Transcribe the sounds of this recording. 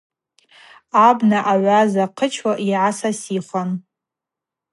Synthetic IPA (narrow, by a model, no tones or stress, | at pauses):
abnaʔaʕʷazaqʰət͡ʃʰwaʔiʕasasiχʷan